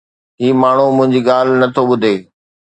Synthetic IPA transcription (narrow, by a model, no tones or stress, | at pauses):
ɦiːmaːɳ̤umʊ̃ɦɪ̃ɲd͡ʑiːɠaːl̤nɐt̪ʰoɓʊd̪ʱeː